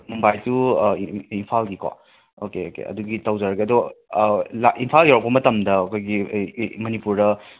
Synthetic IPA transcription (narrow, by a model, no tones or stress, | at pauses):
mumbajsu | inpʰalɡikʰa̰ | okeokḛɐ̰duɡitɐwzaɾɐɡiɐdɔ | laʔinpʰaljawɾɐk̚pɐmɐtɐmdɐokʰojɡimɐnipuɾdɐ